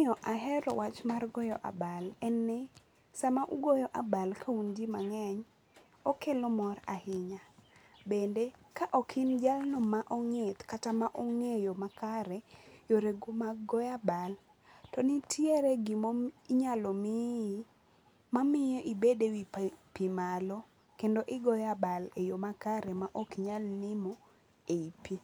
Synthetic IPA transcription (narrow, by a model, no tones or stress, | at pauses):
ɔʔaɦɛɾɔ̰wat͡ʃmarɡɔjɔʔa̰balɛnːɛ | samaʔuɡojɔʔabalkʰaund͡ʒimaŋɛɲ | ɔkelɔmɔrahɪɲabendekaʔɔkʰɪnd͡ʒalnɔmaʔɔŋet̪katamaʔɔŋejomakaɾɛjoɾeɡumaɡɔjabal | tɔnitʰieɾeɡɪmoɲalomi | mamɪjɔʔibedewippimalɔ | kendoʔɪɡɔjabalejomakaɾɛmaʔokɲalnɪmo | eipi